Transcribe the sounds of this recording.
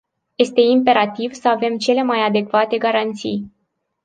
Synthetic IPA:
je̞st̪e̞impe̞ɾat̪ivsəave̞mt͡ʃe̞le̞majad̪e̞kvat̪e̞ɡaɾant̪sḭj

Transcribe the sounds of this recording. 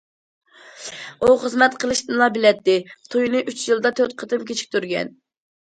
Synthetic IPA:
uχəzmɛt̪qʰəlˠɨʃt̪ɨnlˠɑbɪlɛt̪ːɪt̪ʰujnɨʔyt͡ʃjilˠd̪ɑt̪ʰøɾt̪̚qʰət̪ɨmkʲʰet͡ʃʰi̥k̚ʲt̪ʰyɾɡʲɛ̰n

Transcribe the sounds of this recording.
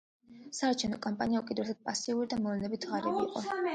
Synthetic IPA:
saːɾt͡ʃʰɛvnɔkʼampʼaniaukʼɛd̪ɾɛsad̪̥̚pʼasiuɾid̪amɔlɛnɛbit̪ʰʁaɾɛbiːqʼɔ

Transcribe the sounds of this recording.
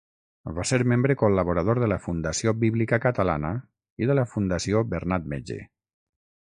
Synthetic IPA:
vaseɾmembɾəkoləβoɾəð̞oɾðələfund̪əsiobiβlikəkət̪əla̰nə | iðələfund̪əsiobəɾnat̪̚mḛd͡ʒḛ

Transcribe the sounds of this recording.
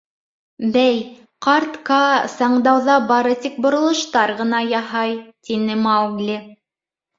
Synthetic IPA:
bæj | qɑɾt̪kɑsɑɴd̪ɑwðɑbɑɾɤt̪ik̚bŏɾŏlˠɤ̆ʃt̪ɑɾʁɤ̆n̪ɑjɑhɑjt̪inɘmɑwɡlʲi

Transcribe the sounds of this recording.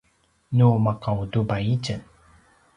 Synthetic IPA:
numaqawdubait͡ʃən

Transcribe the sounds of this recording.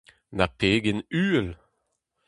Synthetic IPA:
napeːɡenyːɛl

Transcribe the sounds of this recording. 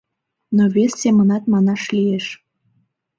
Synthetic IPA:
noβesːemənɑt̪̚mɑnɑʃlijeʃ

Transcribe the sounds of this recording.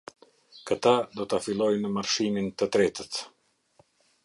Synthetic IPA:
kət̪ad̪ɔt̪afilˠɔjnəmaɾʃimint̪ət̪ɾɛt̪ət̪

